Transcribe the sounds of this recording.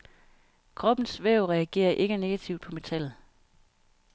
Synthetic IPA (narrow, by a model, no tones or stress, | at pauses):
kʰʁɒ̽b̥n̩sʋeʊʁɛæɡ̥e̝̰ːɐʔe̝ɡ̥əne̝ɡ̥æt͡sʰiʊ̰d̥̚pʰɒ̽me̝t͡sʰæl̰ð̩ˠ